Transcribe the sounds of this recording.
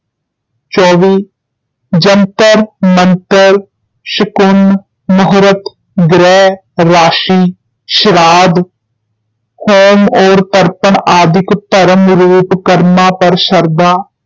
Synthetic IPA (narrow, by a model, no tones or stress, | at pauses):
t͡ʃɔːʋiː | d͡ʒənt̪əɾmənt̪əɾ | ʃɪkʊn | mʊɦɾət̪ | ɡɾɛː | ɾaːʃiː | ʃɾaːd̪ | hoːmoːɾt̪əɾpəɳaːd̪ɪkt̪əɾəmɾuːʈkəɾmãːpəɾʃəɾd̪aː